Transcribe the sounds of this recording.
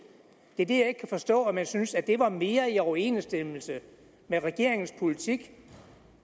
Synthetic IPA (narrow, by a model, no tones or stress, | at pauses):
d̥e̝d̥e̝jɑ̈e̝ɡ̥kʰæfɒ̽sd̥ɔ̰̽ːæmænsynsæd̥e̝ʋɑ̈me̝ːɐiɒʊɐe̝̰ːnsd̥eml̩sə | meʁɛɡ̥e̝ɐ̰e̝ŋn̩spʰo̝lit͡sʰiɡ̥